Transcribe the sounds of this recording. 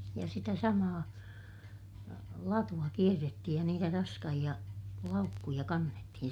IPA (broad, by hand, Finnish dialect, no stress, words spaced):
jɑ sitæ sɑmɑː lɑtuɑ kierːetːihij jɑ niːtæ rɑskɑhij̆ɑ lɑukːujɑ kɑnːetːihin